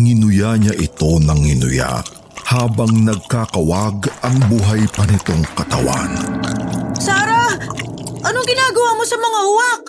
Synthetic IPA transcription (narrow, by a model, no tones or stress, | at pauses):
ŋɪnʊjaɲaʔɪt̪o̞nɐŋːɪnʊ̰ja̰ | haːbɐŋnɐɡ̚kaːkɐwaɡɐŋbuɦajpɐnɪt̪o̞ŋkɐt̪ɐwa̰n | saːɾa | ʔɐnoŋɡɪnaːɡɐwaːmosɐmɐŋahʊwak̚